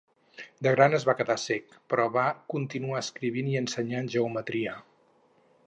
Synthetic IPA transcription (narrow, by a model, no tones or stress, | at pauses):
d̪əɣɾanəzβakəðasɛkpɾɔβakunt̪inuaəskɾiβiniənsəɲanʒəumət̪ɾiə